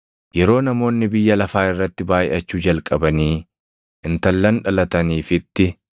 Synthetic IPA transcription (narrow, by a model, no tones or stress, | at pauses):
jɛɾo̞ːnɐmo̞ːnːɪbɪjːɐlɐfaːɪrːɐt̪ːɪbaːjɪʔɐt͡ʃːuːd͡ʒɐlkʼɐbɐniː | ʔɪnt̪ɐlːɐnᶑɐlɐt̪ɐniːfɪt̪ːɪ